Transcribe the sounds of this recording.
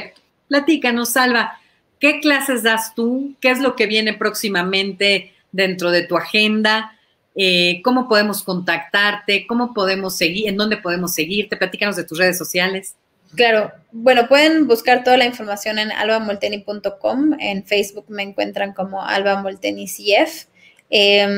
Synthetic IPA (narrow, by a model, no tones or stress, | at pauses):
ek̚t̪o̥ | plat̪ikano̞salβa | ke̞klase̞zðast̪uke̞ezlo̞ke̞βje̞ne̞pɾo̞ksimamẽ̞nt̪e̞ | ðe̞nt̪ɾo̞ð̞e̞t̪uaxe̞nd̪a | eko̞mo̞po̞ð̞e̞mo̞sko̞nt̪akt̪aɾt̪e̞ko̞mo̞po̞ð̞e̞mo̞sːe̞ɣiend̪o̞nd̪e̞poð̞e̞mose̞ɣiɾt̪e̞plat̪ikano̞zðe̞t̪us̬re̞ð̞esːosjale̞s | klaɾo̞ | bwe̞no̞pwe̞ðe̞nbuskaɾt̪o̞ðalainfo̞ɾmasjo̞ne̞na̰lβamolt̪enipunt̪o̞ko̞mḛnfejzβukme̞ːŋkwe̞̰nt̪ɾaŋko̞mo̞ʔa̰lβamolt̪enisef | e